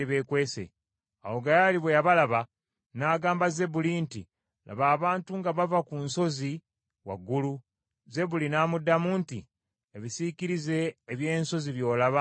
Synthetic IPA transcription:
iβe̞ːkwe̞ːsḛ | a̰wo̞ɡajaliβwejaβalaβa | naːɡaːmbaze̞bulintḭ | lʔa̰βaːβaːntuŋɡaβavakunso̞zi | wa̰ɡːulu | ze̞bulinaːmudːamuːntḭ | eβisikiɾize̞ːβje̞ːnso̞ziβjo̞ːlaβa

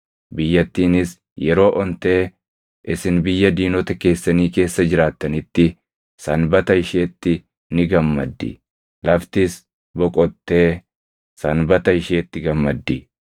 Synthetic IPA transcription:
bɪjːɐt̪ːiːnɪs | jɛɾo̞ːʔɔnt̪e̞ː | ʔɪsɪnbɪjːɐd̪iːnɔt̪ɐke̞ːsːɐniːke̞ːsːɐd͡ʒɪɾaːt̪ːɐnɪt̪ːɪ | sɐnbɐt̪ɐɪʃeːt̪ːɪ | nɪɡɐmːɐd̪ːɪ̰ | lɐft̪ɪs | bɔkʼɔt̪ːe̞ː | sɐnbɐt̪ɐɪʃe̞ːt̪ːɪɡɐmːɐd̪ːɪ

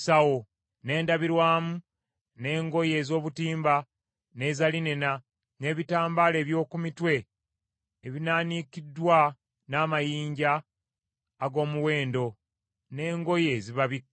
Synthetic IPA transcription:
sawo | ne̞ːndaβiɾwaːmu | ne̞ːŋɡo̞je̞ːzo̞ːβutiːmba | ne̞zalinena | ne̞ːβitaːmbaːle̞ːβjo̞ːkumitwe̞ː | βinaːnikidwa | naːmajiːɲɟaː | ɡo̞ːmuwe̞ːndo̞ | ne̞ːŋɡo̞je̞ːziβaβi

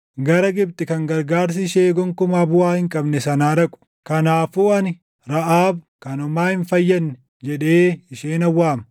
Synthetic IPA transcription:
ɡɐɾɐɡɪbt̪ɪkɐŋɡɐɾɡaːɾs̬ɪʃeːɡɔŋkʊmabʊaːhɪŋkʼɐbnɛsɐnaːɾɐkʼʊ̥ | kɐnaːfuːɐnɪ | ɾɐʔaːbkɐnʊmaːhɪnfɐjːɐnːɛ̥ | d͡ʒɛᶑeːɪʃeːnɐwːaːmɐ

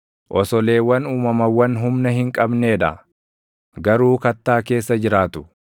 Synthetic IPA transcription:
ʔɔsɔle̞ːwːɐnuːmɐmɐwɐnɦʊmnɐɦɪŋkʼɐbneːᶑɐ̰ | ɡɐɾuːkɐt̪ːaːke̞ːsːɐd͡ʒɪɾaːt̪ʊ̥

